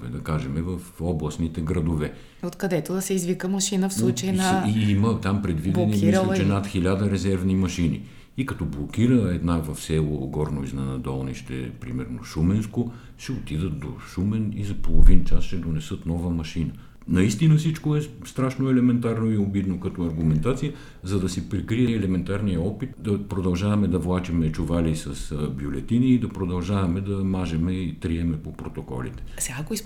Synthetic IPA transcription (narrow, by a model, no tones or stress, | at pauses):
ɛ̰d̪ɐkaʒɛmɛvəfɔblˠəsnit̪ɛɡɾɐd̪ovɛ | ot̪kɐd̪ɛt̪od̪ɐsɛizvikəmɐʃinəfslˠut͡ʃəjnɐiimət̪ampɾɛd̪vidblɛnimiiɾlʲɛt͡ʃɛnat̪xilʲad̪əɾɛzɛɾvnimɐʃinḭ | ikɐt̪ɔblˠokiɾəɛd̪navɐfsɛlˠoɡɔɾnoiznɛnɐd̪ɔlˠnḭʃt̪ɛ̰pɾimɛ̰ɾno̰ʃumɛnsko | ʃɛot̪id̪ət̪̚d̪o̰ʃumɛnizɐpolˠovint͡ʃasʃɛd̪onɛsɤt̪nɔvəmɐʃinə | nɐist̪inəfsit͡ʃkoɛst̪ɾaʃnoɛlɛmɛnt̪aɾnoiobid̪nokɐt̪ɔɐɾɡʊmɛnt̪at̪sijə | zɐd̪ɐsɛpɾɛkɾiɛːlɛmɛnt̪aɾnijəɔpit̪d̪ɐpɾod̪ɐlˠʒavɐmɛd̪ɐvlˠat͡ʃɛmɛt͡ʃʊvalisɐsbjolɛt̪iniːd̪ɐpɾod̪ɐlˠʒavɐmɛd̪ɐmaʒɛmɛit̪ɾiɛmɛpopɾot̪okɔ̰lḭt̪ɛ̥sɛɡakois